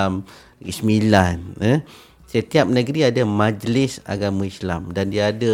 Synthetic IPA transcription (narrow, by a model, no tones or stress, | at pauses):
am | ḭsmilanə | sət̪iap̚nə̃ɡɾiadamãd͡ʒlɪsa̰ɡamãislamdandiaːdə